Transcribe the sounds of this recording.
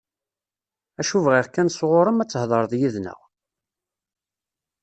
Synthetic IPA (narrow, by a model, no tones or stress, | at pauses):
æʃuvʁiʁkænsʁoɾˤəmæt͡sːəhðˤəɾˤðˤjiðnə̰ʁ